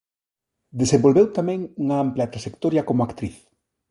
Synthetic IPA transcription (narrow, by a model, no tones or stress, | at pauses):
d̪esembolβewt̪amɛ̃ŋuŋaamplat̪ɾaʃekt̪oɾjakomʊakt̪ɾiθ